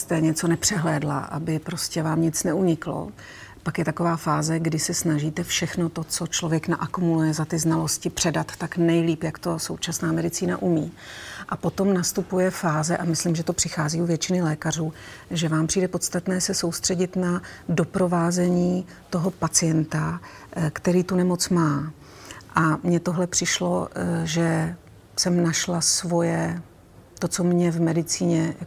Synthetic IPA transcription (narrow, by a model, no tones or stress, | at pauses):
st̪ɛɲɛt͡so̞nɛpr̝̥ɛɦlɛːdla̰ʔabɪpɾo̞scɛvaːmɲɪt͡snɛuɲɪklo̰ | pakjɛt̪ako̞vaːfaːzɛɡdɪsɛsnaʒiːt̪ɛfʃɛxno̞t̪o̞t͡so̞t͡ʃlovjɛknaʔakumulujɛzat̪ɪznalo̞scɪpr̝̥ɛdat̪ːaknɛjliːpjakt̪o̞so̞wt͡ʃasnaːmɛdɪt͡siːna̰ʔumiːʔapo̞t̪o̞mnast̪upujɛfaːzɛʔamɪslimʒɛt̪o̞pr̥ɪxaːziːuvjɛt͡ʃɪnɪlɛːkar̝uː | ʒɛvaːmpr̝iːdɛpo̞t̪st̪at̪nɛːsɛso̞wst̪r̥ɛɟɪt̪nado̞pɾo̞vaːzɛɲiː | t̪o̞ɦo̞pat͡sɪjɛnt̪a | kt̪ɛɾiːt̪unɛmo̞t͡smaː | ʔamɲɛt̪o̞ɦlɛpr̝̥ɪʃlo̞̰ʒɛ | sɛmnaʃlasvo̞jɛ | t̪o̞t͡so̞mɲɛvmɛdɪt͡siːɲɛja̰